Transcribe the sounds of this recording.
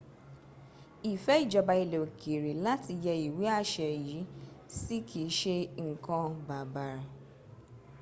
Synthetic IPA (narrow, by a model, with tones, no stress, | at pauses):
i˨fɛ˦i˦˨d͡ʒɔ˧ba˧i˧le˨o˨kʰe˨ɾi˨la˦ti˧jɛ˧i˨we˨˦a˦ʃɛ˨ji˨˦si˦kʰi˨˦ʃe˦ŋ̩˨kã˧ba˨ba˨ɾa˨